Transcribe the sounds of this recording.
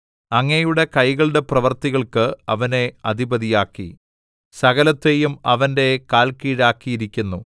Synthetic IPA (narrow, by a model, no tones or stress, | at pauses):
ɐŋːɐjuɽe̞kɐjɣɐɭɨɽe̞prɐʋɐrt̪iɣɐɭkɨɐʋɐne̞ɐd̪ʱibɐðijaːkːḭ | sɐɣɐlɐt̪ːe̞ːjumɐʋɐnde̞kaːlkiːɻaːkːijiɾikʲːunːu